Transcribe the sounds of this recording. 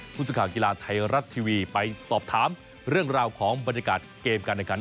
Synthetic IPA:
pʰuː˥˩sɯ˨˩kʰaː˨˩ki˧laː˧t̪ʰa˧jɾa˦˥t̪ʰːiː˧wiː˧pa˧jsɔː˨˩p̚t̪ʰaː˩˦m | ɾɯ˥˩əŋɾaː˧wkʰɔː˩˦ŋba˧nja˧kaː˨˩t̪̚keː˧mkaː˧nʔa˨˩ka˧˥n

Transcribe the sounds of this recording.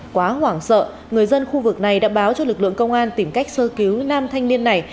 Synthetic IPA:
kwaː˨˦hwaː˧˩ŋsə̰ː˧˨ | ŋɨ˨˩əjzə˧nxu˧vɨ˨˩k̚na˨˩jɗa̰ː˧˥ɓaː˨˦wt͡ɕɔ˧lɨ˨˩k̚lɨ̰˧˨əŋkə˧wŋ͡mʔaː˧nt̪i˧˩mka˦˥jk̟̚səː˧ki˨˦wnaː˧mt̪ʰa˧jŋ̟ni˧ənːa˨˩j

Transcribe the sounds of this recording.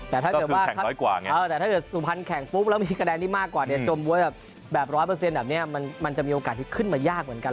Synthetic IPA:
t̪ɛː˨˩a˥˩kːt̪̚ːaː˧˥˩a˥ɔ˦jkwa̰ː˨˩ŋ˧ɤː˧t̪ɛː˨˩aː˥˩kɤ˨˩t̪̚suː˨˩pʰa˧nkʰɛ˨˩ŋpu˦˥p̚lɛː˦˥miː˧ka˧dɛː˧nt̪ʰiː˥˩maː˥˩kwaː˨˩ni˧˩t͡ɕoː˧mbu˧˦əbɛː˨˩p̚ | bɛː˨˩p̚ɾɔː˦˥jpʰɤː˧s̬e˧nbɛː˨˩p̚ni˦˥˩ɐma˧nm˧nt͡ɕa˨˩miː˧ʔoː˧kaː˨˩t̪ʰiː˥˩kʰɯ˥˩nmaː˧jaː˥˩k̚mɯ˩˦ənka˧

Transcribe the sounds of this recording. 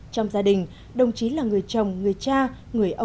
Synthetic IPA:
t͡ɕɔ˧wŋ͡mzaː˧ɗï˨˩ŋ̟ | ɗə˨˩wŋ͡mt͡ɕi˨˦laː˨˩ŋɨ˨˩əjt͡ɕə˨˩wŋ͡mŋɨ˨˩əjt͡ɕaː˧ | ŋɨ˨˩əjʔə˧

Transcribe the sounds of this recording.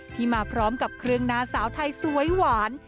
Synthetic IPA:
t̪ʰiː˥˩maː˧pʰɾɔː˦˥mka˨˩p̚kʰɾɯ˥əŋnaː˧˥saː˩˦wt̪ʰa˧jsu˨˩˦əjwaː˩˦n

